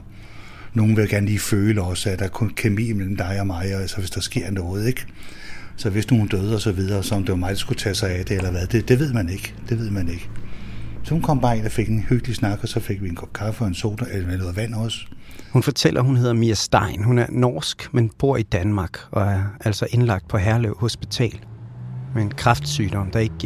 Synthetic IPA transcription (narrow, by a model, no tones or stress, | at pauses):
no̝ːn̩ʋe̝ɡ̥æɐnəliːføːləɒ̽sæd̥ɑ̈æɐkʰɔ̽nkʰemḭːmel̰m̩d̥ɑ̈ɪɒmɑ̈ɪælsɒʋe̝sd̥ɑ̈sɡ̥e̝ɐ̰nɔːð̩ˠeɡ̥ | sɒ̽ʋe̝sno̝ːn̩d̥øð̞ˠɒsɒ̽ʋið̞ˠɐsɒ̽ɒ̽md̥e̝ʋɑmɑ̈ɪlsɡ̥ut͡sʰɛsɑ̈ɪæd̥e̝elɐʋæðˠd̥e̝d̥e̝ʋe̝ð̞̰ˠmæne̝ɡ̥d̥e̝ʋe̝ð̞̰ˠmæne̝ɡ̥ | sɒhunkʰɒ̽m̰b̥ɑ̈ːe̝nɒfe̝ɡ̥nhøɡ̥əlisnɑ̈ɡ̥ɒ̽sɒ̽fe̝ɡ̥ʋienkʰɒb̥kʰɑ̈fəɒ̽e̝nso̰ːd̥ɐelɐmenoːð̩ˠʋæn̰ɒshunfɒ̽t͡sʰel̰ʔɐɦunɦe̝ð̞̰ˠɐmiæsd̥ɑ̈ɪnɦunæɐnɒ̰ːsɡ̥menb̥o̝ɐ̰id̥ænmɑ̈ːɡ̥ɒ̽æɐʔæl̰sɒ̽ʔe̝nlɑ̈ɡ̥d̥̚pʰɒ̽ɦæɐleʊho̝sb̥it͡sʰɛ̰ːlmeenkʰʁɑ̈fd̥syːd̥ɒ̽md̥ɑ̈e̝ɡ̥̚